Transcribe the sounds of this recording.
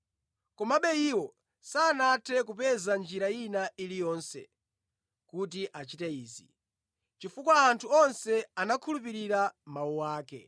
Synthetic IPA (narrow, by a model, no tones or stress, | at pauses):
kɔmaɓɛiwɔ | saːnatʰɛkupɛzand͡ʒiɾainaʔilijɔnsɛ̰ | kut̬iʔat͡ʃitɛiːzḭ | t͡ʃifukwaːntʰuɔnsɛanakʰulupiɾiɾamauwaːkɛ̰